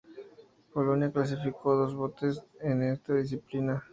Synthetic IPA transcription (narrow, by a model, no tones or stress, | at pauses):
koloniaklas̬ifikkɔd̪os̬bot̪ːeseneɾt̪odis̬iplina